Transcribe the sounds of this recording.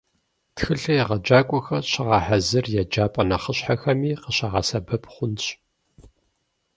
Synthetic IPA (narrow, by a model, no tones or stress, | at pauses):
txɨɬɐjɛʁɐd͡ʒaːkʷʼɔxɐrɕɪʁɑːħazɨrjɛd͡ʒaːpʼɐnɐχəɕħaxɐmiːqəɕaʁɑsɐbɐpχʷʊnɕʼ